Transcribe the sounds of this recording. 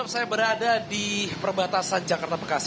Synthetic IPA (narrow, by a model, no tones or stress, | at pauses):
p̚sajabəɾadadipərbat̪asand͡ʒakart̪apərkas